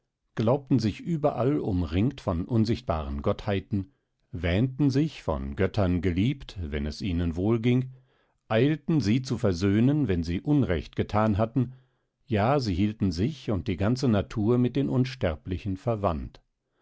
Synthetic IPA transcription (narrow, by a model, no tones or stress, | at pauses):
ɡ̥laʊp̚tn̩zɪçʔyːbɐʔalʊmʁɪŋktfɔnʔʊnzɪçt̚b̥a̰ːʁənɡɔthaɪtn̩ | vɛːntn̩zɪçfɔ̰nɡœtʰɐnɡəliːptvɛ̰nɛsʔiːnənvoːlɡɪŋ | ʔaɪltn̩ziːt͡sufɛɐzøːnənvɛnziːʔʊnʁɛ̰çt̚ɡ̥ətʰaːnɦatn̩ | jaːziːhiːltn̩zɪçʊnt̚d̥iːɡant͡sənatʰuːɐmɪt̚d̥eːnʔʊnʃtɛɐplɪçn̩fɛɐvant